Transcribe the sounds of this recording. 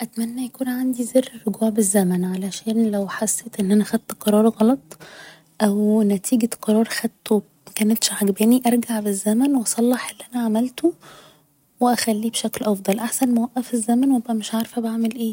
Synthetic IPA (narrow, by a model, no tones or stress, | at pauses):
ʔæt̪mænːæjækuːnʕand̪izerːerːoɡuːʕbezːæmænʕalæʃæːnlæwħasːeːt̪ʔenːʔænæxæd̪̚t̪qɑɾˤɑːɾˤɣɑlɑt̪ˤ | ʔæwnæt̪ʰiːɡæqɑɾˤɑːɾˤxæd̪t̪o | mækænet̪ʃʕaɡbæːniʔɑɾˤɡaʕbezːæmænwʔɑsˤɑlːɑħʔelːiʔænæʕamælt̪o | weʔæxælːiːbʃæklʔɑfd̪ˤɑlʔaħsænmæwæʔːæfezːæmænwʔebʔæmeʃʕaɾfæbaʕmelʔeː